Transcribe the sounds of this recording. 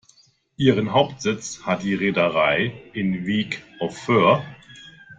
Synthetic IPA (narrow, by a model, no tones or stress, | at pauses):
ʔiːʁənɦaʊptz̥ɪt͡shat̚d̥iːʁeːdɐʁaɪʔɪnviːkʔɔfːøːɐ